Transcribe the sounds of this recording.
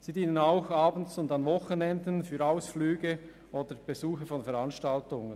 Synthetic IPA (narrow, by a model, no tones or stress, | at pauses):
siːdiːnənaʊxaːbən̩sʊndanvɔxənɛndənfyːɾaʊsflyːɡə | ʔoːd̥əb̥ezuːxəfɔnfəɾanʃtaltʊŋən